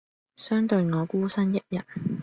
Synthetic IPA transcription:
sœː˥ŋt̪ɵ˧ɥŋɔː˨˧kuː˥sɐ˥njɐ˥t̚jɐ˨t̚

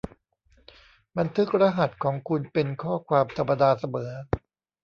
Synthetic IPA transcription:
ba˧nt̪ʰɯ˦˥k̚ɾa˧ɦa˨˩t̪̚kʰɔː˩˦ŋkʰu˧npe˧nkʰɔː˥˩kʰwaː˧mt̪ʰa˧mːa˧daː˧sa˧mɤː˩˦

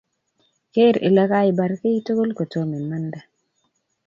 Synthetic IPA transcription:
ke˦ɾḛ˨la˦ka˦ɪ˨ba˨ɾke˦i˦to˦ɡo˦lko˨to˦mi˨ma˦nda˨

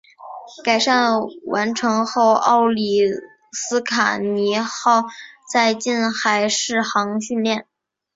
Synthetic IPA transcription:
ka˨˩ɪʂa˥˩nwʔa˧˥nʈ͡ʂʰɤ˧˥ŋxo˥˧ʊʔɑ̰˥˩ʊli˨˩ | sɹ̩˥kʰa̰˨˩ni˧˥xɑ˥˧ʊt͡sa˥˧ɪt͡ɕi˥˩nxa˧˥ɪʂɻ̩˥˩xɑ˧˥ŋɕy˥˧nljɛ˥˩n

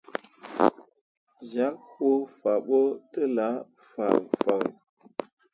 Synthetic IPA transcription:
za˦k̚ho˦fa˨ɓo˦tə˦la˨˦ | fa̰˨ŋfa̰˨

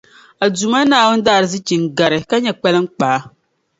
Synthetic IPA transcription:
a˨du˨ma˦naː˦˨wʊ˦n̩˦daː˦˨ɾɨ˨zɨ˦t͡ʃi˨ŋ˨ɡa˨ɾɨ˨ka˦ɲɛ˨k͡pɛ˦lɨ˦ŋ̩˦k͡paː˨˦

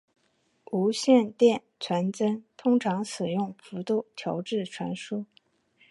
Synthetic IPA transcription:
u˧˥ɕjɛ˥˧nt̪jɛ˥˩nt͡sʰwa˧˥nt͡sə˥nt̪ʰʊ˥ŋʈ͡ʂʰɑ˧˥ŋsɹ̩˨˩jʊ˥˩ŋfu˧˥t̪u˥˩t̪ʰjɑ˧˥ʊʈ͡ʂɻ̩˥˩ʈ͡ʂʰwa̰˧˥nʂu˥

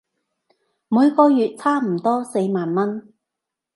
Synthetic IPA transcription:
muː˨˧jkɔː˧jyː˨t̚t͡sʰaː˥m̩˨˩t̪ɔː˥se˧jmaː˨nmɐ˥n

